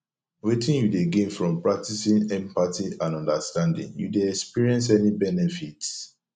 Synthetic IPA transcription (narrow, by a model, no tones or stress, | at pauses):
wetĩnjudeɡẽnfɹɔ̃mpɹak̚tisĩnɛ̃mpatiãnɔ̃ndastãndḭ̃ŋjṵdeɛkspiɹiɛ̃ns̬ɛnibɛnɛfits